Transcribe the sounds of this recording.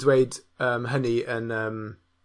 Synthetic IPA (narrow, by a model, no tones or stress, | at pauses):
weɪdəmɦəniə̃nəm